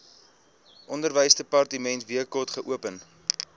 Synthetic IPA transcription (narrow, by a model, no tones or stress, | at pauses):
ʔɔndərvəjsdəpɑrtəmɛntviəkɔrtχəʔuəpən